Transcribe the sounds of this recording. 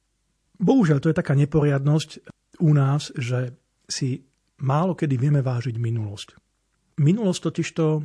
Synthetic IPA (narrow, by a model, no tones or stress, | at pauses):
bɔɦuʒɪaʎt̪ɔjɛt̪akaːɲɛpɔɾɪad̪nɔsc | unaːzʒɛ | si | maːlɔkɛd̪iʋɪɛmɛʋaːʒiɟminulɔsc | minulɔsct̪ɔciʃt̪ɔ